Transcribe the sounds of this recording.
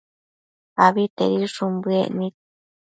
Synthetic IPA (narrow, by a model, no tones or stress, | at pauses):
aβit̪ḛɾiʂumbɨḛʔnĩk̚